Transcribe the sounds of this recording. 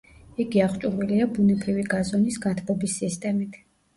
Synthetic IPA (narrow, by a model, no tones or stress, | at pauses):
iɡiaχt͡ʃʼuɾviliabunɛbɾiviɡazɔnisɡat̪ʰbɔbisːist̪ʼɛmit̪ʰ